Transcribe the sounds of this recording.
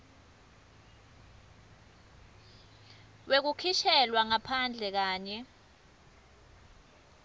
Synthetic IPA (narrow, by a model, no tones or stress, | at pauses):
wek̬ukʰiʃɛlwaŋapʰand͡ɮʱɛk̬aːɲɛ